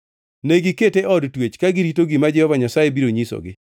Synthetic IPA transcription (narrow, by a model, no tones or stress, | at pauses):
neɡɪketeʔɔdtwet͡ʃkaɡɪɾitoɡɪmad͡ʒɛhɔvaɲasajebiɾoɲisɔ̰ɡɪ